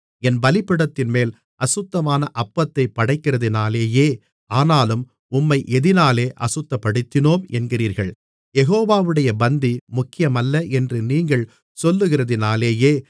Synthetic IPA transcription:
ɛnbɐlɪpːɪɽɐt̪ːɪnmeːl | ʔɐsɯt̪ːɐmaːnɐʔɐpːɐt̪ːɐɪpːɐɽɐɪkːɪrɐðɪnaːleːjeː | aːnaːlɯm | ʊmːɐɪʔɛðɪnaːleːʔɐ̰sɯt̪ːɐpːɐɽɯt̪ːɪnoːmɛnɡɪriːɾɣɐɭ | jɛɣoːʋaːʋɯɽɐjɐbɐnd̪imʊkːɪjɐmɐlːɐʔɛndrɯniːŋɡɐɭ | sɔlːɯɣɪrɐðɪnaːleːjeː

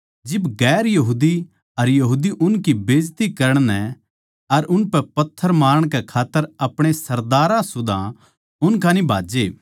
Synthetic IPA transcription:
d͡ʒɪbɡɛːɾjɐɦuːd̪i | ɐɾjɐɦuːd̪iʔʊnkibeːd͡ʒt̪ikɐɾəɽ̃nɛ | ɐɾʊnpɛpɐt̪ʰːəɾmaːɾəɽ̃kɛkʰaːt̪ːəɾɐpɽ̃esɐɾd̪aːɾãsʊd̪ã | ʊnkãːnibʱaːd͡ʒeː

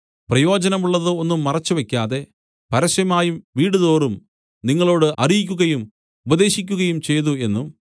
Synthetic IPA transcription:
prɐjo̞ːd͡ʑɐnɐmuɭːɐðɨo̞nːumːɐrɐt͡ɕːuʋekʲːaːðe̞ | pɐɾɐʂjɐmaːjumʋiːɽuðo̞ːrum | niŋːɐɭo̞ːɽɨʔɐrijikʲːuɣɐjum | ubɐðe̞ːɕikʲːuɣɐjumt͡ɕe̞jðue̞nːum

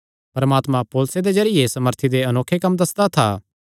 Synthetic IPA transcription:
pɐɾəmaːt̪mãpoːlsed̪ed͡ʒɐɾɪjesɐməɾt̪ʰid̪eɐnoːkʰːekɐmd̪ɐsd̪at̪ʰa̰ː

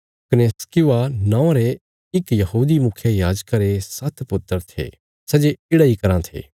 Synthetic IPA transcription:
kɪneskɪʋanãːãɾe | ɪkjɐɦuːd̪imʊkʰjejaːd͡ʒkaɾesɐt̪ʰpʊt̪ːəɾt̪ʰḛː | sɐd͡ʒeɪɽaikɐɾãt̪ʰḛː

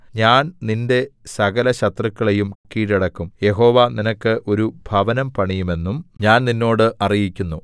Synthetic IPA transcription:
ɲaːnninde̞sɐɡɐlɐɕɐt̪rɐkːɐɭejumkːiːɾɐɽɐkːumje̞ɦo̞ːʋaninɐkːɨʔo̞ɾubʱɐʋɐnɐmpɐɳijume̞nːumɲaːnninːo̞ːɽɨʔɐrijikʲːunːu

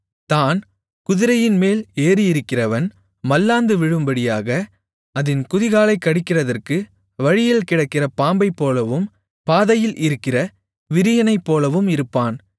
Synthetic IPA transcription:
t̪aːn | kʊðɪɾɐjɪnmeːleːɾijɪɾɯkːɪrɐʋɐn | mɐlːaːnd̪ɯʋɪɻɯmbɐɽɪjaːɣɐ | ɐðɪnkʊðɪɣaːlɐɪkːɐɽɪkːɪrɐðɐrkɯ | ʋɐɻɪjɪlkɪɽɐkːɪrɐpaːmbɐɪpːoːlɐʋɯm | paːðɐjɪlʔɪɾɯkːɪrɐ | ʋɪɾɪjɐnɐɪpːoːlɐʋɯmɪɾɯpːaːn

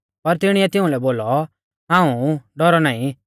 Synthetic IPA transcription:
pɐɾt̪ɪɽ̃ɪɛt̪ɪ̃ũlɛboːlɔ | ɦãːũɖɔɾɔnaːĩ

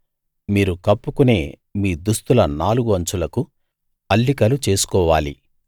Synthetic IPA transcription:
miːɾukɐpːukune̞ː | miːd̪ust̪ulɐnaːluɡuɐɲt͡ʃulɐku | ɐlːikɐlut͡ʃe̞ːsu̥kɔːʋaːlḭ

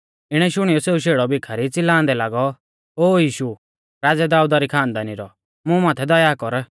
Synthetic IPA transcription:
ɪɽ̃ɛʃʊɽ̃ijɔseːuʃeːɽɔbɪkʰaɾit͡sɪlãːnd̪ɛlaːɡɔ | oːjiːʃu | ɾaːd͡zɛd̪aːud̪aɾikʰaːnd̪aːniɾɔ | mũmaːt̪ʰɛd̪ɔjaːkɔɾ

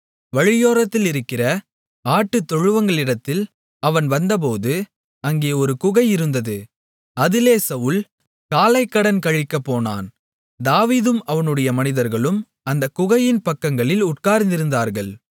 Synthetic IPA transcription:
ʋɐɻɪjoːɾɐt̪ːɪlɪɾɯkːɪrɐ | aːʈːɯt̪ːɔɻɯʋɐŋɡɐɭɪɽɐt̪ːɪl | ɐʋɐnʋɐnd̪ɐp̬oːðɯ | ɐŋɡeːɔɾɯkʊɣɐjɪɾɯnd̪ɐðɯ | ɐðɪleːsɐʋɯl | kaːlɐɪkːɐɽɐnkɐɻɪkːɐpːoːna̰ːn | d̪aːʋiːðɯmɐʋɐnɯɽɐjɐmɐnɪðɐɾɣɐɭɯm | ɐnd̪ɐkʊɣɐjɪnpɐkːɐŋɡɐɭɪlʊʈkaːɾnd̪ɪɾɯnd̪aːɾɣɐɭ

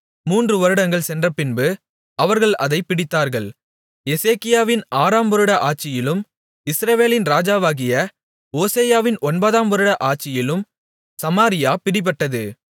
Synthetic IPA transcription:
muːndrɯʋɐɾɯɽɐŋɡɐɭsɛndrɐpɪnbɯ | ɐʋɐɾɣɐɭɐðɐɪpːɪɽɪt̪ːaːɾɣɐɭ | ɛseːkɪjaːʋɪnaːɾaːmʋɐɾɯɽɐʔaːʈ̚t͡ʃːɪjɪlɯm | ɪsɾɐʋeːlɪnɾaːd͡ʒaːʋaːɣɪjɐ | oːseːjaːʋɪnʔɔnbɐðaːmʋɐɾɯɽɐʔaːʈ̚t͡ʃːɪjɪlɯm | sɐmaːɾɪjaːpɪɽɪp̬ːɐʈːɐðɯ

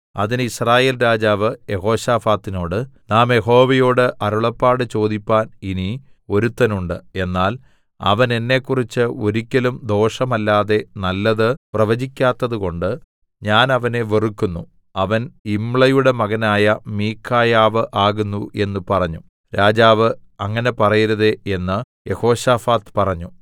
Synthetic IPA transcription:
ɐ̰ðinisraːje̞ːlɾaːd͡ʑaːʋɨje̞ɦo̞ːɕaːfaːt̪ːino̞ːɽɨnaːmje̞ɦo̞ːʋɐjoːɽɨʔɐɾuɭɐpːaːɽɨt͡ɕo̞ːd̪ipʲːaːninio̞ɾut̪ːɐnuɳɖɨe̞nːaːl | ɐ̰ʋɐne̞nːe̞kːurit͡ɕːɨo̞ɾikʲːɐlumd̪o̞ːʂɐmɐlːaːðe̞nɐlːɐðɨprɐʋɐd͡ʑikʲːaːt̪ːɐðuko̞ɳɖɨ | ɲaːnɐʋɐne̞ʋerikːunːu | ɐʋɐnimɭɐjuɽe̞mɐɣɐnaːjɐmiːkʰːaːjaːʋɨʔaːɣunːṵʔe̞nːupɐrɐɲːu | ɾaːd͡ʑaːʋɨɐŋːɐne̞pɐrɐjiɾɐðee̞nːɨ | je̞ho̞ːɕaːfaːt̪pɐrɐɲːu

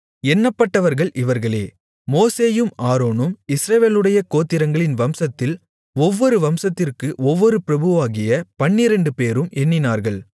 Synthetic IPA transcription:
ɛnːɐpːɐʈːɐʋɐɾɣɐɭʔɪʋɐɾɣɐɭḛː | moːseːjɯmʔaːɾoːnɯmɪsɾɐʋeːlɯɽɐjɐkoːt̪ːɪɾɐŋɡɐɭɪnʋɐmsɐt̪ːɪl | ɔʋːɔɾɯʋɐmsɐt̪ːɪrkɯʔɔʋːɔɾɯpɪɾɐbɯʋaːɣɪjɐpɐɳːɪɾɛɳɖɯpeːɾɯmʔɛnːɪnaːɾɣɐɭ

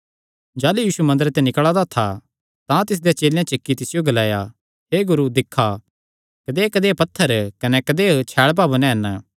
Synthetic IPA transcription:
d͡ʒaːlujiːsumɐ̃nd̪əɾet̪enɪkɭad̪at̪ʰa | t̪ãt̪ɪs̬d̪et͡ʃeːljãt͡ʃɪkːit̪ɪsɪjoɡɐlaːja | ɦeːɡʊɾud̪ɪkʰːa | kɐd̪ekɐd̪eːpɐt̪ʰːəɾkɐnɛkɐd̪eːt͡ʃʰɛːɭp̬aːbunɛ̃ɦɐn

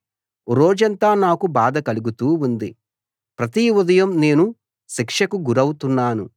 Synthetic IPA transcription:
ɾoːd͡ʒɐnt̪aːnaːkubaːd̪ɐkɐluɡut̪uːund̪i | pɾɐt̪iud̪ɐjɐmne̞ːnu | ʃikʂɐkuɡuɾɐwut̪unːaːnu

